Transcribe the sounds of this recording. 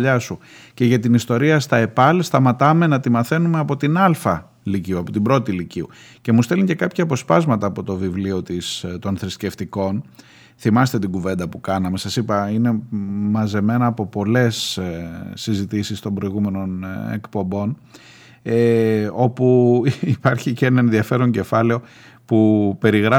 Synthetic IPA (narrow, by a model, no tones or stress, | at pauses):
ʎɐsuce̞ʝɐt̪inist̪o̞ɾiɐst̪ɐe̞pɐlst̪ɐmɐt̪ɐme̞nɐt̪imɐθe̞nume̞ɐpo̞t̪inɐlfɐ | liciuɐpo̞t̪ibɾo̞t̪iliciu | ce̞must̪eliɲce̞kɐpçɐːpo̞spɐzmɐt̪ɐːpo̞t̪o̞vivlio̞t̪ist̪o̞nθɾisce̞ft̪iko̞n | θimɐst̪e̞t̪iɡuve̞nd̪ɐpukɐnɐme̞sɐsipɐine̞mɐze̞me̞nɐːpo̞po̞le̞s | sizit̪isist̪o̞mbɾo̞iɣume̞no̞nḛkpo̞mbo̞n | eo̞puipɐɾçiceenɐenðiɐfe̞ɾo̞ɲɟe̞fɐle̞o̞ | pupe̞ɾiɣɾɐ